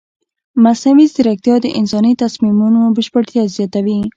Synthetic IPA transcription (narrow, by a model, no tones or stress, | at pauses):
masamizd̪əɾak̚t̪jɔd̪əʔɪnsɔnit̪asmimunobəʃpəɽt̪jazjɔt̪awi